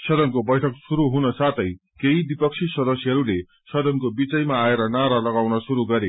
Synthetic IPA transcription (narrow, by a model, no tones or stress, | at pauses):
sʌd̪ʌnkobʌjʈʰʌksuɾuɦunʌsat̪ʰʌj | keɦid̪wipʌk̚sʰisʌd̪ʌsjɦʌɾule | sʌd̪ʌnkobit͡sʌjmaːeɾʌnaɾalʌɡawnʌsuɾuɡʌɾe